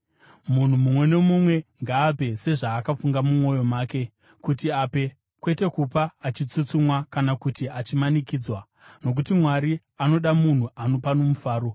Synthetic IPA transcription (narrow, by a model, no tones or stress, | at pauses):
mun̤umumwe̞ne̞mumwe̞ŋɡaːp̬e̞se̞ʐaːkafuŋɡamumo̞jo̞maːke̞ | kutiape̞ | kwe̞te̞kupaːt͡ʃit͡sut͡sumwakanakutiat͡ʃimanikiːd͡zwa | no̞k̬utimwaɾi | ano̞ɗamun̤uʔano̞pano̞mufaːɾo̞